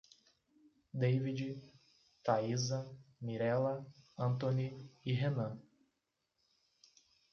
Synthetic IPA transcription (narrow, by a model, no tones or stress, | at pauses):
d̪ejvid͡ʒɪ | t̪aizɐmiɾɛlɐɐ̃nt̪õniiɦenɐ̃